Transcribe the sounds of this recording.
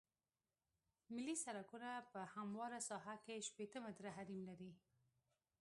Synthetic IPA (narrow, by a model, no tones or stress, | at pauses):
mɪlisaɾakunapəhamwɑɾasɑɦakeʃpet̪əmad̪ɾaɦaɾimlaɾi